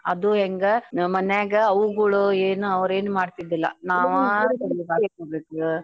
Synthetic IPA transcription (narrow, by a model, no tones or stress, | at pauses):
ɐd̪uɦeŋɡemɐneːɡeɐʋuɡuɭueːnuɐʋɾe̞ːnumaːɖt̪id̪ilːɐ̰naːʋut̪ɐlbaːɡekoːbeːku